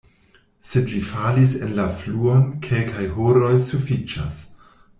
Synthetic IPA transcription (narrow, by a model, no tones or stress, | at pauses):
se̞dvifalisenlafluo̞nkʰe̞lkajhoɾo̞jsufit͡ʃa̰s